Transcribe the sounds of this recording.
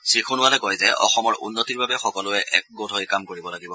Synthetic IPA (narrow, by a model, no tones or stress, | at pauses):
sɹikʰunʊwalɛkɔjzɛʔɔ̰xɔmɔɹʔṵnːotiɹbabɛxɔkɔlʊɛʔɛk̚ɡotʰɔjkamkoɹibɔlaɡibɔ